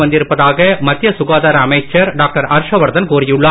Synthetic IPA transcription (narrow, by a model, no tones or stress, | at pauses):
ʋɐnd̪ɪɾɯpːɐðaːɣɐmɐt̪ːjɐsʊɣaːðaːɾɐːmɐɪt͡ʃːɐɾɖaːk̚ʈɐɾɐɾʂɐʋɐɾd̪ɐnkuːrɪjɯɭːɐː